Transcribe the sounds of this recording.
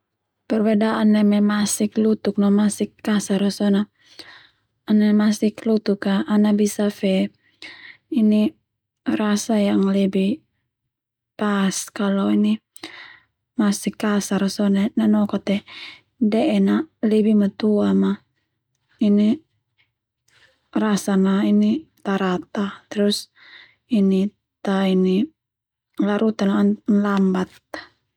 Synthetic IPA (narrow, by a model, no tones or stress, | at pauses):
pɛrbɛdaʔanːɛmɛmasiklut̪uk̚nɔmasikːasaɾɔsɔna | anamasiklut̪ukaːnabisafɛ | ini | rasajaŋlɛbi | paskalɔini | masikːasaɾasɔnɛnanɔkɔt̪ɛ | dɛʔɛnalɛbimat̪uama | ini | rasanainit̪aɾat̪at̪ɛɾus | ini | t̪aini | laɾut̪ananlambat̪̚